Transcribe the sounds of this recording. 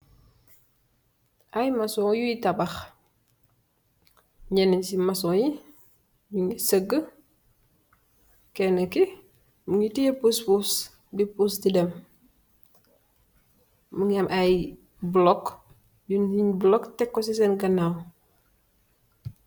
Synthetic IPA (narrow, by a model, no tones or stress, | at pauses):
ʔajmasɔːjujitabax | ɲenisimasɔji | miŋisəɡːə | kɛnəki | muŋitijepuspus | bipustidɛm | muŋamʔaj | blɔk | juniɲblɔktɛkːɔs̬is̬ɛnɡɐnaw